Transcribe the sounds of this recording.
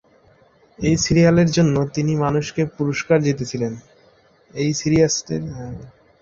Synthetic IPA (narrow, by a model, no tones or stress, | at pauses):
ejsiɾialeɾd͡ʑonːot̪inimanuʃkepuɾoʃkaɾd͡ʑit̪et͡ɕʰilen | ejsiɾiasʈeɾ